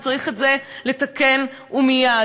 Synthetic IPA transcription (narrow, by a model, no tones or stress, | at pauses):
t͡saʁiχetzele̞take̞n | umija